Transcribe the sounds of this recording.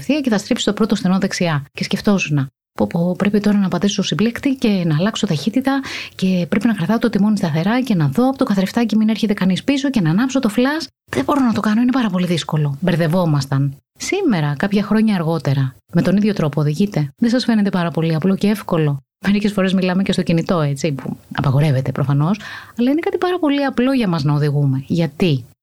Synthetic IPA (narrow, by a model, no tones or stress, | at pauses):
fθiɐce̞θɐst̪ɾipsi̥st̪o̞pɾo̞t̪osθenoðeksiɐce̞sce̞ft̪o̞zunɐ | popopɾe̞pit̪o̞ɾɐnɐpɐd̪isoosiblekt̪ice̞nɐːlɐkso̞t̪ɐçit̪it̪ɐce̞pɾe̞pinɐkɾɐθɐt̪ot̪imonist̪ɐθe̞ɾɐce̞nɐðo̞ɐpot̪o̞kɐθɐɾeft̪ɐcemine̞ɾçe̞t̪ekɐnispis̬o̞ce̞nɐnɐpso̞t̪o̞flɐs | ðebo̞ɾonɐt̪o̞kɐno̞ine̞pɐɾɐpo̞liðisko̞lo̞beɾðe̞vo̞mɐst̪ɐn | sime̞ɾɐkɐpçɐxɾo̞ɲɐːɾɣo̞t̪e̞ɾɐ | me̞t̪o̞niðʝo̞t̪ɾo̞poːðiʝit̪e̞ðesɐsfe̞net̪̬epɐɾɐpo̞liɐplo̞ceefko̞lo̞ | me̞ɾice̞sfo̞ɾe̞zmilɐme̞cest̪ocinit̪o̞et͡sipṵɐ̰pɐɣo̞ɾe̞ve̞t̪e̞pɾo̞fɐno̞sɐlɐinekɐt̪ipɐɾɐpo̞liɐplo̞ʝɐmɐznɐoðiɣume̞ʝɐt̪i